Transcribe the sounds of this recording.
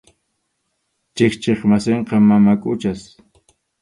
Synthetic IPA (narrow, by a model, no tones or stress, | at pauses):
t͡ʃekt͡ʃeχmaseɴqɑmamakʼʊt͡ʃas